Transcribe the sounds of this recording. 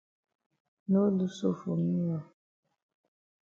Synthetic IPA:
no˦lu˦so˦˨fo˨ŋi˦a˨

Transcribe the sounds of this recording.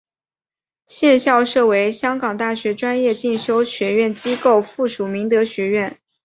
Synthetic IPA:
ɕjɛ˥˧nɕjɑ˥˧ʊʂɤ˥˩we˧˥ɪɕjɑ˥ŋkɑ˨˩ŋt̪a˥˩ɕɥɛ˧˥ʈ͡ʂwa˥njɛ˥˧t͡ɕi˥˩nɕjo˥ʊɕɥɛ˧˥ɥɛ˥˩nt͡ɕi˥ko˥˩˧ʊfu˥˩ʂu˨˩mi˧˥ŋt̪ɤ˧˥ɕɥɛ˧˥ɥɛ˥˩n

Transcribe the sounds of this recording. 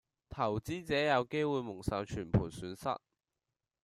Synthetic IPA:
t̪ʰɐ˨˩wt͡siː˥t͡sɛː˨˥jɐ˨˧wke˥jwuː˨jmʊ˨˩ŋsɐː˨˧wt͡ʃʰyː˨˩npʰuː˨˩nsyː˨˧nsɐ̰˥t̚

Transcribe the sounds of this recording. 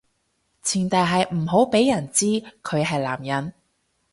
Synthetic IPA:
t͡sʰiː˨˩nt̪ɐ˨˧jɦɐ˨jm̩˨˩ɦo˨˥wpe˨˥jːɐ˨˩nt͡siː˥kʰɵ˨˧ɥɦɐ˨jlaː˨˩mjɐ˨˥n

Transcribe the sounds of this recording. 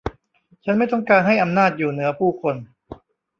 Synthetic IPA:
t͡ɕʰa˦˥nma˥˩jt̪ɔ˥˩ŋkaː˧nɦa˥˩jʔa˧mnaː˥˩t̪̚juː˨˩nɯ˩˦ɐpʰuː˥˩kʰo˧n

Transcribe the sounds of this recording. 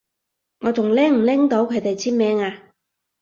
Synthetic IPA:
ŋɔː˨˧t͡sʊ˨˩ŋlɛː˥ŋm̩˨˩lɪ˥ŋt̪o˨˥wkʰɵ˨˧ɥt̪e˨jt͡sʰiː˥nmɛː˧˥ŋaː˧

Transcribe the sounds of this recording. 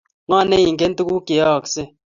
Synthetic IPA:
ŋɔ˦˨ne˦ji˨ŋke˦n̩˦tu˦ku˦ke˨˦ɔ˦˨ksɪ˦

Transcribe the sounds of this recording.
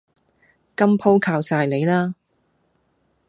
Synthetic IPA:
kɐ˥mpʰo˥wkʰaː˧wsaː˧jle˨˧jlaː˥

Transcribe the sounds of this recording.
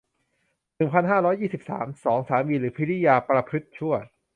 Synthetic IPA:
nɯ˨˩ŋpʰa˧nɦaː˥˩ɾɔː˦˥jːiː˥˩si˨˩p̚sa̰ː˩˦msɔː˩˦ŋsaː˩˦wiː˧ɾɯː˩˦pʰi˦˥li˦˥jaː˧pɾa˧pʰɯ˦˥t̪̚t͡ɕʰu˥˩ɐ

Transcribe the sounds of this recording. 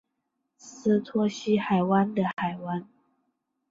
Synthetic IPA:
s̩˥t̪ʰwɔ˥ɕi˥xa˨˩ɪwa˦nd̪ə˨xa˨˩ɪwa˦n

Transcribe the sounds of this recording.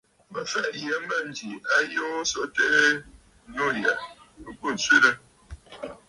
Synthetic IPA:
mə˨fɛ˦ʔjə˨˦mə˦˨n˨d͡ʒi˨a˦jo˦so˦˨te˦ʔ | no˦˨jɛ˨ | ə˨ku˦˨n˨t͡sɥe˦ɾə˦

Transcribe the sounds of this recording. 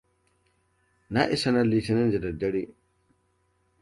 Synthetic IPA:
na˦ʔɪ˦sɐ˦na˦li˨tɪ˨nɪ˦nzi˨dɐ˨dɐ˦ɽi˦

